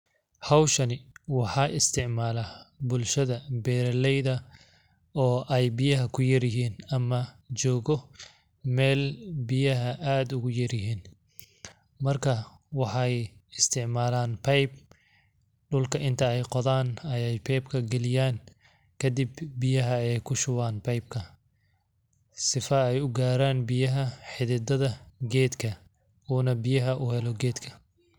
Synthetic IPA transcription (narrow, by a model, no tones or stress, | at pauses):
hɐwʃɐnɪwɑħɑːʔɪst̪ʰɪʕmaːlabʊlʃɐðɐbɛːɾɛlɛjðɐ | ɔːʔɛjbɪjɐɦɐkʰʊjɐɾjɪɦiːnɐmɐ | t͡ʃɔːɣɔ | mɛːlbɪjɐɦɐʔaːd̪ʊɣʊjɐɾjɪɦiːn | mɐrkʰɐ | wɑħɑjɪst̪ʰɪʕmaːlaːnpʰɛjb̚ | ɖʊlkʰɐʔɪnt̪ʰɐɛjqɔðaːnɐjɛjpʰɛjbkʰɐɡɛlɪjaːn | kʰɐd̪ɪbːɪjɐɦɐɛjkʰʊʃʊwaːnpʰɐjb̚kʰɐ | sɪfɐɛjʊɡaːɾaːnbɪjɐɦɐħɪðɪd̪ɐðɐɡɛːd̪kʰɐ | uːnɐbɪjɐɦɐʔʊhɛlɔɡɛːd̪kʰɐ̥